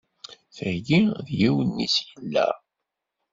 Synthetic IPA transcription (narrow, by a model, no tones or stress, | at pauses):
θəjiðjiwənːisjəlːæ̰